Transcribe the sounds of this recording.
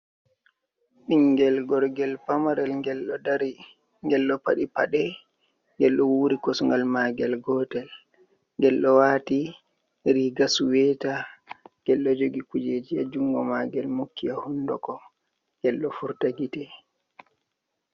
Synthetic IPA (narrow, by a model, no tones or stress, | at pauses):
ɓiŋɡɛlɡɔɾɡɛlpamaɾɛlɛlɔdaɾi | ŋɡɛlːɔpaɗipaɗɛ | ŋɡɛlɗɔwuɾikɔsŋɡalmaɡɛlɡɔtɛl | ŋɡɛlɗɔwaːti | ɾiɡasuwɛtaŋɡɛlːɔd͡ʒoɡikud͡ʒeːd͡ʒijad͡ʒuŋɡɔmaɡɛlmukːijahundɔkɔ | ŋɡɛlːɔfuɾtaɡitɛ